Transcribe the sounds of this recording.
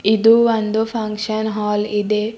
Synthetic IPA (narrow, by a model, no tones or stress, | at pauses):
id̪uond̪upʰɐŋkʂɐnɦaːlid̪e